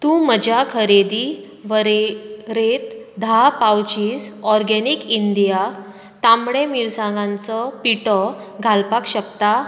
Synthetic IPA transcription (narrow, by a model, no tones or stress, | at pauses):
t̪ũməd͡ʑakʰəɾed̪i | ʋəɾeɾet̪d̪ʱapawt͡ɕiːsɔɾɡɛnikind̪ija | t̪amɽemiɾsãŋɡãnt͡sɔpiʈɔ | ɡʱalpakɕəkt̪a